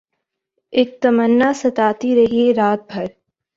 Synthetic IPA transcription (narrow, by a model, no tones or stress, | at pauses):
eːk̚t̪ɐmənːasɐt̪aːt̪iɾɐɦieɾaːt̪̚bʱɐɾ